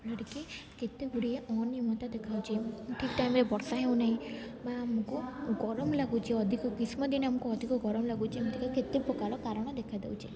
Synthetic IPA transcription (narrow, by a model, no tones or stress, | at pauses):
lɔɽikeket̪ebuɽieʔɔnːijɔmɔt̪ad̪ekʰawt͡ʃʰiʈʰik̚ʈajmɾebɔɾsaɦew̃naɦĩbaːmukuɡɔɾɔmlaɡut͡ʃʰiɔd̪ʱikɔkismɔd̪inamɔkuɔd̪ʱikɔɡɔɾɔmlaɡut͡ʃʰiamɔd̪ʱikɔket̪epɾɔkalɔkaɾɔɽ̃ɔd̪ekʰajd̪ḛwt͡ʃʰi